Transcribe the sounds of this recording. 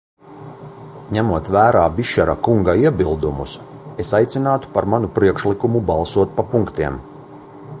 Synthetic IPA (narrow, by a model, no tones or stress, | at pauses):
ɲæmuɔt̪væːɾaːbʲiʃɛɾa̰kuŋɡaiɛbilˠd̪umus | esajt̪sʲinaːt̪u̥paɾmanupɾiɛkʃlikumubɑlˠsuɔt̪̚papuŋkt̪iɛm